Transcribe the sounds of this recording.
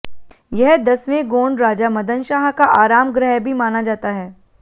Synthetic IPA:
jɛɦd̪ɐsʋẽɡoːɳɖɾaːd͡ʒamɐd̪ənʃaːɦkaʔaːɾaːmɡɾɛɦbʱimaːnad͡ʒaːt̪aɦɛː

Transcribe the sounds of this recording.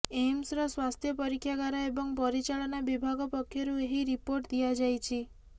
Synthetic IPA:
emsɾɔswast̪ʰjɔpɔɾikʰːjaɡaɾaebɔŋpɔɾit͡ʃaɭɔnabibʱaɡɔpɔkʰːjɔɾueɦiɾipoɾʈd̪ijad͡ʒajt͡ʃʰi

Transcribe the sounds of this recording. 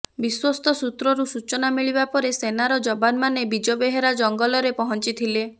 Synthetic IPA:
biswɔst̪ʰɔsut̪ɾɔɾusut͡ʃɔnamiɭibapɔɾesenaɾɔd͡ʒɔbanmanebid͡ʒobeɦeɾad͡ʒɔŋɡɔlɔɾepɔɦɔnt͡ʃit̪ʰile

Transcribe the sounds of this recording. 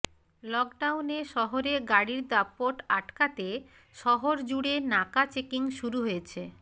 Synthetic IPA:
lɔkɖawneʃɔɦoɾeɡaɽiɾd̪apːoʈaʈkat̪e | ʃɔɦoɾd͡ʑuɽenakat͡ɕekiŋʃuɾuɦojet͡ɕʰe

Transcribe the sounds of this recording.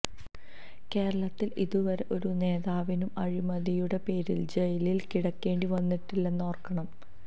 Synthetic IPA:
ke̞ːɾɐɭɐt̪ːilḭðuʋɐɾe̞ʔo̞ɾune̞ːðaːʋinumɐɻimɐðijuɽe̞pe̞ːɾild͡ʑejɐlilkiɽɐkːe̞ːɳɖiʋɐnːiʈːilːenːo̞ːrkːɐɳɐm

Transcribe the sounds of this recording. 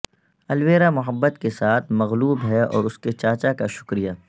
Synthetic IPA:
ɐlʋeːɾamʊɦəbːət̪kesaːt̪ʰmɐɣluːbɦɛɔ̰ːɾʊsket͡ʃaːt͡ʃakaʃʊ̥kɾija

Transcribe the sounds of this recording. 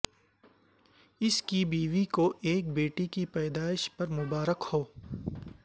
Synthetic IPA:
ɪskibiːʋikoʔeːk̚beːʈikipɛːd̪aːɪʃpɐɾmʊbaːɾəkhoː

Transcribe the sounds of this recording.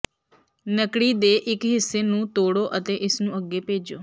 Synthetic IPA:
nəkɽid̪eːʔɪkɦɪsːenũːt̪oːɽoːʔət̪eʔɪsnũːəɡepeːd͡ʒo̰ː

